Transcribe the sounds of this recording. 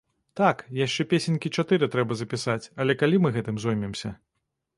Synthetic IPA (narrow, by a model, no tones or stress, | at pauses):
t̪akjaʂt͡ʂɛpʲesʲenʲkʲit͡ʂat̪ɨɾɨt̪ɾɛbɐzɐpʲisat͡sʲɐlʲɛkalʲimɨɣɛt̪ɨmzɔjmʲɛmsʲɐ̰